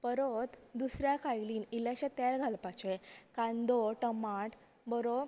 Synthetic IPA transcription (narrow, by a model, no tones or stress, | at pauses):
pəɾot̪d̪usɾjakʰajliːnilaɕẽt̪ɛlɡʱalpat͡ɕekãnd̪oʈəmaʈ | bəɾo